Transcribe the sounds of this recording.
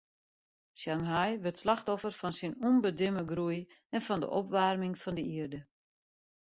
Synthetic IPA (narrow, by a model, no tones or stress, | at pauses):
sjanɦajʋətslaxtɔfərfɔnsinunbədɪməɡruj | ɛnfɔndə̰ʔɔpʋarmɪŋfɔndəiərdə